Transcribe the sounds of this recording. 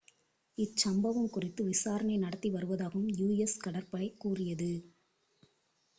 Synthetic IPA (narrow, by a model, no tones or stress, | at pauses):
ɪt͡ʃːɐmbɐʋɯmkʊrɪt̪ːɯʋɪsaːɾɐɳɐɪnɐɽɐt̪ːiʋɐɾɯʋɐðaːɣɯmjuːjɛskɐɽɐɾpɐɭɐɪkːuːrɪjɐðɯ